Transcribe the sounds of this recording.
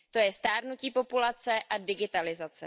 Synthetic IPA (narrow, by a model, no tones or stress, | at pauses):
t̪o̞jɛst̪aːɾnuciːpo̞pulat͡sɛʔadɪɡɪt̪alɪzat͡sɛ